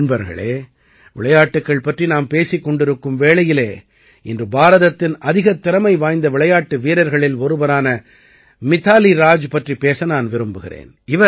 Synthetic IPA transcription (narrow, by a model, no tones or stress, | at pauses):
nbɐɾɣɐ̰ɭḛː | ʋɪɭɐjaːʈːɯkːɐɭpɐʈrinaːmpeːsikːɔɳɖɪɾɯkːɯmʋeːɭɐjɪleː | ɪndrɯbaːɾɐðɐt̪ːɪnʔɐðɪɣɐt̪ːɪɾɐmɐɪʋaːjnd̪ɐʋɪɭɐjaːʈːɯʋiːɾɐɾɣɐɭɪlɔɾɯbɐɾaːnɐ | mɪt̪ːaːliɾaːd͡ʒpɐʈripeːsɐnaːnʋɪɾɯmbɯɣɪrḛːn | ɪʋɐ